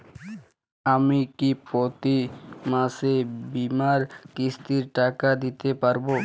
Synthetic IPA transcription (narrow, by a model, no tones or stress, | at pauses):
amikipɾot̪imasebimaɾkist̪iɾʈakad̪it̪epaɾbo